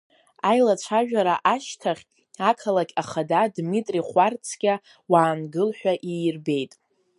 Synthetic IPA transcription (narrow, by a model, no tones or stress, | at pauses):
ajlat͡ʃʷʰaʒᶣaɾaʔaʃtʰaχʲ | akʰalakʲʼaχadadmitʼriχʷart͡sʰɡʲa | waːnɡɨlħʷᶣaʔiːrbe̞jtʼ